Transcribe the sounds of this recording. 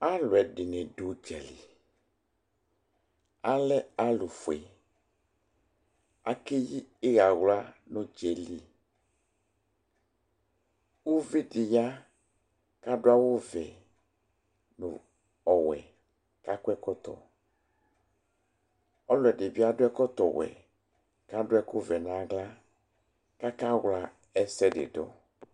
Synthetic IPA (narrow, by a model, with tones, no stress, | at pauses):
a˦lʊ˨ɛ˨ɖɪ˨nɛ̃˨ɖu˨d͡ʒɛ̰˨lḭ˨ | a˦lɛ˦a˦lʊ˨fḛ˨ | a˦ke˦ji˦e˦ɣa˨ɣla˦nʊ̃˦d͡ʒe˨li˦ | wo˦vi˦dɪ˨ja˦ | ka˦dʊ˦a˦wo˦vɛ˨ | nʊ̰˨ | ɔ˨wɛ̰˨ | ka˦kɛ˦kɔ˦t̪ɔ̰˨ | ɔ˦lɔ˨ɛ˨ɖɪ˨bi˦a˦dʊ˦ɛ˦kɔ˦t̪ɔ˨wɛ̰˨ | ka˦dʊ˦ɛ˦kʊ˦vɛ˨nã˨ɡla˦ | ka˦ka˦wla˦ | ɛ˦sɛ˦dɪ̰˨dɔ̰˦